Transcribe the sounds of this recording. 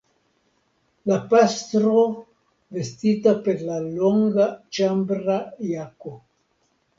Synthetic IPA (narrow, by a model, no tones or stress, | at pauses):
lapast̪ɾo | vest̪it̪apeɾlaloŋɡat͡ʃambɾajako